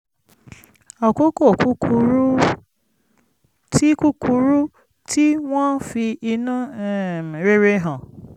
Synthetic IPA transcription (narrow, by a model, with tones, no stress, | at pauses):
a˨ko˦ko˦˨ku˦ku˧ɾ | ti˦ku˦ku˧ɾu˦ | ti˦w̃ɔ̃˦fi˧i˧nũ˦˨ | ɾe˦ɾe˧ɦã˨